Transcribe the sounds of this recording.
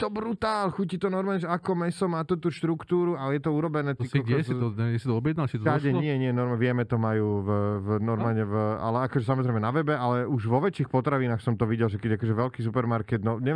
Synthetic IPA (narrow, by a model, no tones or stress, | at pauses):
t̪ɔbɾut̪aːlxucit̪ɔnɔɾmaːlɲɛʒɛakɔmɛɛsɔmaːt̪ut̪uːʃt̪ɾukt̪uːɾualɛjɛt̪ɔuɾɔbɛnɛːt̪iiɛɛsit̪ɔɔbjɛd̪nalt͡ʃit̪ɔaɟɛɲɪɛɲɪɛnɔɾmʋɪɛmɛt̪ɔmajuːvvnɔɾmaːlɲɛva̰lɛakɔʒɛsamɔzɾɛɪmɛnaʋɛbɛʔalɛuʒʋɔʋɛt͡ʃiːxpɔt̪ɾaʋinaːxsɔmt̪ɔʋiɟɛlʒɛkɛɟakɔʒɛʋɛlkisupɛɾmaɾkɛd̪nɔɲɛ